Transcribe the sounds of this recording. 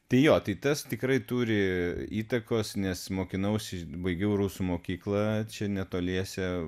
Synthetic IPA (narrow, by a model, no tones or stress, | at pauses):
t̪ɐɪjoːt̪ɐɪt̪ɐst̪ʲɪkrɐɪt̪uːɾʲɪiːt̪ɐkoːsnʲɛsmoːkʲɪnɐʊsʲɪbɐɪɡʲɛʊruːsumoːkʲiːklˠɐt͡ʃʲɛnʲɛt̪oːlʲiɛsʲɛ